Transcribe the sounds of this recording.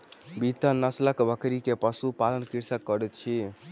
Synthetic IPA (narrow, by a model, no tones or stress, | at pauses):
bit̪ənəsləkbəkɾikepəsupalənkiɾsəkːəɾɛt̪̚t͡ʃʰi